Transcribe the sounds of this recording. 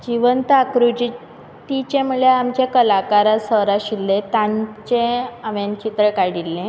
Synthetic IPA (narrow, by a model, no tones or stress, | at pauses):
d͡ʑiʋənt̪akɾud͡ʑi | t̪it͡ɕemuɭjeamt͡ɕakəlakaɾasəɾaɕilːet̪ãɲt͡ɕeamjant͡ɕit̪ɾəkaɽ̤ilːẽ